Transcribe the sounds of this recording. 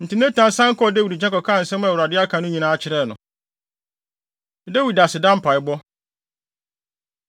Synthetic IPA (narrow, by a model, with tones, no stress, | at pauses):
n̩˨tɪ˨n˦ɛ̃˦tʰã˨˦n˦sã˦ŋ̩˦kɔ˦˨de˦wi˨ɾi˨d͡ʑɛ̃˦kɔ˨kʰãː˦n̩˨sɛ̃˦m˦ã˨wɾa˨dɪ˦a˦kʰã˨nʊ̃˦ɲĩ˨nãː˨˦t͡ɕʰɪ˨˦ɾɛ˦˨nʊ̃˨˦ | de˦wi˨da˨sɪ˨dã˦m̩˦pʰa˨ɪ˨˦bɔ˦